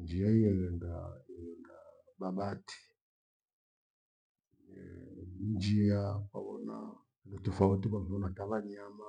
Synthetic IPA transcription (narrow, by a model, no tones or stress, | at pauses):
ɲd͡ʒiaijɛɣɛŋɡaiɣɛŋɡa | baɓatʰi̥ | nd͡ʒiakwa̰βɔna̰ | dɔtufautubaŋɔnataβaɲama